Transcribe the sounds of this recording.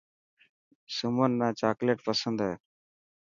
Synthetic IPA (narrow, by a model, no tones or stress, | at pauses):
sʊmənːaːt͡ʃaːkleːʈpəsənd̪ɦeː